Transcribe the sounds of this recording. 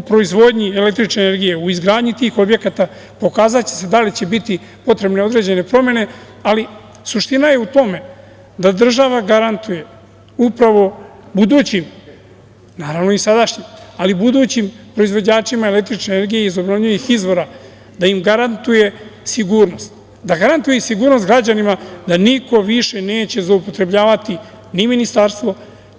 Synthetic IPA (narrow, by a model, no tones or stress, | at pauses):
upɾo̞izʋo̞d̪ɲie̞le̞k̚t̪ɾit͡ʃne̞ːne̞ɾɡije̞uizɡɾaːd̪ɲit̪iːxo̞bje̞kat̪a | po̞kaːzat͡ɕese̞d̪alit͡ɕe̞bit̪i | po̞t̪ɾe̞bne̞o̞d̪ɾe̞d͡ʑe̞ne̞pɾo̞mje̞ne̞ | ali | suʃt̪inajeut̪o̞me̞ | d̪ad̪r̩ʒaʋaɡaɾant̪uje̞ | upɾaʋo̞bud̪uːt͡ɕim | naːɾaʋnoisad̪aʃɲimalibud̪uːt͡ɕimpɾo̞izʋo̞d͡ʑaːt͡ʃimaele̞k̚t̪ɾit͡ʃne̞ne̞ɾɡijeizo̞bnovɲuixizʋo̞ɾa | d̪aimɡaɾant̪uje̞siɡuːɾno̞st̪ | d̪aɡaɾant̪ujesiɡuːɾnost̪ɡɾad͡ʑanimad̪aniko̞ʋiʃene̞ːt͡ɕe̞zloupo̞t̪ɾe̞bʎaːʋat̪i | niminist̪aɾst̪ʋo̞